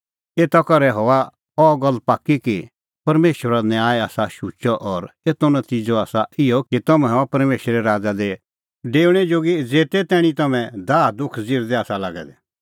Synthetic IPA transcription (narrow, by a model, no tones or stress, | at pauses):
eːt̪akɐɾɛɦɔːa | ɔːɡɐlːpaːkːiki | pɐɾmeːʃwəɾanjaːɛaːsaʃuːt͡ʃɔʔɔɾeːt̪onɐt̪iːd͡ʒoaːsaɪjɔkit̪ɐmɛ̃ɔpɐɾmeːʃɾɛɾaːd͡zad̪e | ɖeːɽ̃ɛd͡ʒoːɡid͡zeːt̪ɛt̪ɛːɽ̃ĩt̪ɐmɛ̃d̪aːd̪ʊkʰd͡zɪːɾd̪ɛaːsalaːɡɛ̰d̪ɛ